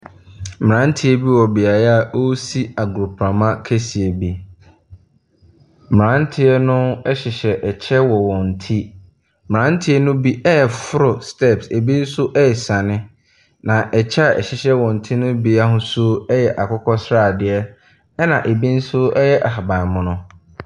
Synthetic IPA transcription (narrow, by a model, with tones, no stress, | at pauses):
m̩˨ɾã˦n̩˦tʰɪ˦ɛ˦bi˦wɔ˨bi˨a˨ja˦˨ʔo˦si˦a˨ɡʊ˨ɾʊ˨pʰɾã˨mã˦kʰæ˦si˨e˨bi˦ | m˨ɾã˦n̩˦tʰɪ˦ɛ˦nʊ̃˦ɛ˦ɕɪ˨ɕɛ˨ʔɛ˨t͡ɕʰɛ˦wɔ˨wɔ̃˨n̩˨tʰi˦ | m̩˨ɾã˨˦n̩˦tʰɪ˦ɛ˦nʊ̃˦bi˦ʔɛ˦jɛ˨fʊ˦ɾʊ˨stʰɛ˦˨pse˨bi˦n̩˦sʊ˦ʔɛ˦ɛ˨sã˨nɪ̃˦ | nã˨ʔɛ˨t͡ɕʰɛ˦a˨ʔɛ̰˨ɕɪ˨ɕɛ˦wɔ̃˨n̩˨tʰi˦nʊ̃˦bi˦a˦ɦʊ̃˦sʊ˦ɛ˦jɛ˨ʔa˨kʰɔ˦kʰɔ˦sɾaː˦˨dɪ˨ɛ˦ | nã˨ʔe˨bi˦n̩˦sʊ˦ɛ˦jɛ˦ʔa˨ha˨bã˨mʊ̃˨nʊ̃˦